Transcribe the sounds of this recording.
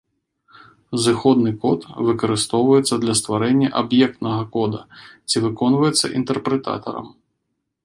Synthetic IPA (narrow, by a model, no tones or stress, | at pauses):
zɨxɔd̪nɨkɔt̪vɨkɐɾɨst̪ɔwvɐjɛt̪sːɐd̪lʲɐst̪ʋaɾɛnʲːɐʔɐbjɛk̚t̪nɐɣɐkɔd̪ɐt͡sʲivɨkɔnvɐjɛt̪sːɐ̰ʔint̪ɛrpɾɛt̪a̰t̪ɐ̰ɾɐ̰m